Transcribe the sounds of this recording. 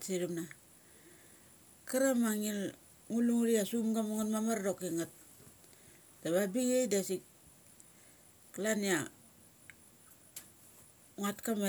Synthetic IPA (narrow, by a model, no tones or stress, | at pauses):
siɾimna | kaɾamaŋil | ŋuluŋuɾiasumɡamuŋanmamardokeŋat̚ | d̥aβabiŋejdasik̚ | kalania | ŋatkame